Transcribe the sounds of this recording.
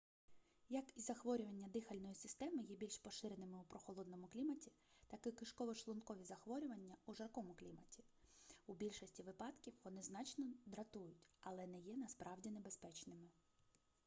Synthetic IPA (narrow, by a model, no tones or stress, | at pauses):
jɐkizɐxʋɔɾʲʊʋɐnʲːɐd̪ɪxɐlʲnɔjisɪst̪ɛmɪjɛbʲilʲʃpɔʃɪɾenɪmɪupɾɔxɔlˠɔd̪nɔmʊklʲimɐtʲi̥ | t̪ɑkɪkɪʃkɔʋɔʃlˠɔnkɔʋʲizɐxʋɔɾʲʊʋɐnʲːɐuʒɐrkɔmʊklʲimɐtʲi̥ | ubʲilʲʃɔsʲtʲiʋɪpɑd̪kʲiwʋɔnɪznɑt͡ʃnɔd̪ɾɐt̪ujʊtʲɐlˠɛnɛjɛnɐspɾʔɑwdʲinebespɛt͡ʃnɪmɪ